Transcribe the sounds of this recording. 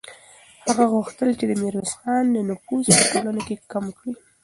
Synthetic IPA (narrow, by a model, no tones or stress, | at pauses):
haɣaɣʊxt̪əlt͡ʃed̪əmɪɾwazxɑnlənʊfuzpətolanokekamkɽi